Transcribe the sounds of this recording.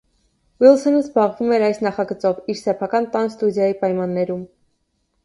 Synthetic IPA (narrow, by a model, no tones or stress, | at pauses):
wilsɔnəzbɑʁvumɛɾɑjsnɑχɑɡət͡sɔviɾsɛpʰɑkɑnt̪ɑnst̪ud̪jɑjipɑjmɑnːɛɾum